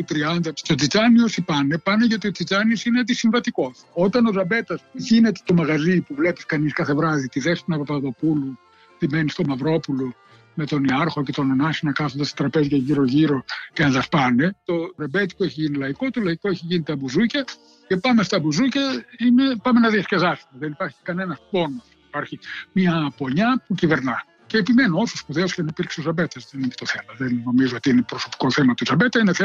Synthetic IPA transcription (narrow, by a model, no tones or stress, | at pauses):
t̪ut̪ɾiɐnd̪ɐt̪o̞t͡sit͡sɐniosipɐnepɐne̞ʝɐot̪iot͡sit͡ʃɐniosinet̪isiɱvɐt̪iko̞so̞t̪ɐno̞ðɐbe̞t̪ɐsʝine̞t̪et̪o̞mɐɣɐzipuvle̞piskɐniskɐθe̞vɾɐðit̪iðe̞st̪unɐpopɐðo̞pulu | t̪imenist̪o̞mɐvɾo̞pulo | me̞t̪o̞niɐɾxo̞ce̞t̪o̞nonɐsinɐkɐθond̪ɐst̪ɐ̥t̪ɾɐpe̞zʝɐʝiɾo̞ʝiɾo̞ceɐnðɐspɐne̞t̪o̞ɾebe̞t̪i̥koeçiʝinilɐiko̞t̪o̞lɐiko̞eçiʝinit̪ɐbuzucɐ | ce̞pɐme̞st̪ɐbuzucɐime̞pɐme̞nɐðiɐsce̞ðɐsu̥meðenipɐɾçi̥kɐne̞nɐspo̞nosuipɐɾçimiɐpo̞ɲɐpuciveɾnɐ | ceːpime̞noosuspuðeosceɐnipiɾkseozɐbe̞t̪ɐzðeniet̪oθemɐðenːo̞mizoot̪iinepɾo̞so̞pi̥ko̞θe̞mɐt̪uzɐbe̞t̪ɐineθe